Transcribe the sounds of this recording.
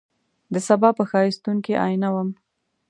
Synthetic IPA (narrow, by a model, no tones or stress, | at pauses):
d̪əsabɑpəxɑist̪uŋkiʔɑ̰jnawəm